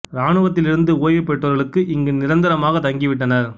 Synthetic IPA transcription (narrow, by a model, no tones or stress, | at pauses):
ɾaːɳɯʋɐt̪̬ːɪlɪɾɯnd̪ɯoːjʋɪpːɛʈːɐɾɣɐɭɯkːɯʔɪŋɡɯnɪɾɐnd̪ɪɾɐmaːɣɐt̪ɐŋɡɪʋɪʈːɐnɐɾ